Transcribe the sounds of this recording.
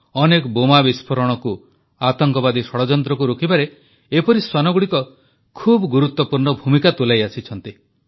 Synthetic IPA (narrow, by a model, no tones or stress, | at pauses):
ɔnekɔbomabispʰɔɾɔɽ̃ɔku | at̪ɔŋkɔbad̪isɔɽɔd͡ʒɔnt̪ɾɔkuɾokʰibaɾe | epɔɾiswanɔɡuɽikɔ | kʰubɔɡuɾut̪ːwɔpuɾɳɔbʱumikat̪ulajasit͡ʃʰɔnt̪i